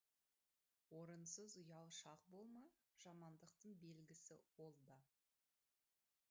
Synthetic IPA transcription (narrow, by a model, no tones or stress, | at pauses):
wo̞ɾənsəzʊjɑwʃɑq̚bo̞lˠmɑ | ʒ̥ɑmɑnd̪əqt̪əɴbe̞lɡʲɪsɪ̰wo̞lˠd̪ə